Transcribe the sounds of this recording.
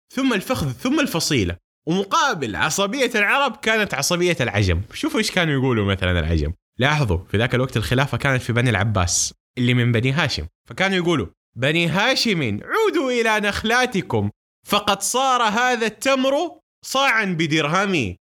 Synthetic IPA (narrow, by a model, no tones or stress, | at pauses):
θʊmːalfaxðθʊmːalfɑsˤiːla̰ | wmʊqɑːbɪlʕɑ̰sˤɑbɪjːalʕɑɾˤɑbkaːnat̪ʕɑsˤɑbɪjːalʕa̰d͡ʒa̰mʃuːfʔɪːʃkaːnujɡuːlumaθala̰nɪ̰lʕa̰d͡ʒa̰m | lɑːħðˤṵfiðaːkalwaɡ̚t̪alxɪlaːfakaːnat̪fibanalʕa̰bːa̰ːsʔɪlːimɪmbaniɦaːʃɪ̰mfakaːnujɡuːlu | baniɦaːʃɪmiʕuːd̪uʔɪlanaxlaːt̪ɪkʊm | fɑqɑt̪sˤɑːɾˤɦaːðat̪ːamɾu | sˤɑːʕanbɪd̪ɪɾɦami